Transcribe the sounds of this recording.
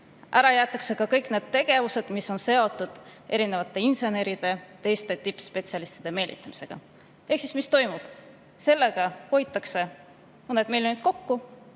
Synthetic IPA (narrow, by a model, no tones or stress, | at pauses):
ʔæɾɑjæːt̪ːˑɑkse̞kɑkɤjkne̞ːd̪̥̚t̪e̞ɡ̥e̞vuse̞d̪̥misːo̞nse̞o̞t̪ːˑud̪̥ʔe̞ɾine̞vɑt̪ˑːe̞inse̞ne̞ɾid̪̥e̞t̪e̞jst̪e̞t̪ipːspe̞t̪siɑlist̪id̪̥e̞me̞ːlʲʔḭt̪ːˑɑmise̞ɡ̥ɑ̰ | e̞hksismist̪o̞jmub̥ | se̞lːe̞ɡ̥ɑho̞jt̪ːˑɑkse̞ | mɤned̪milʲjonit̪̚ko̞kːu